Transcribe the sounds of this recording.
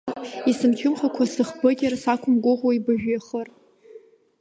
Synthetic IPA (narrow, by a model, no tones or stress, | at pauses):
isɨmkʲʰʊmχakʷʰasɨχbɨɡʲɪrsakʷʰʊmɡʷʊʁwaibɨʒᶣaχər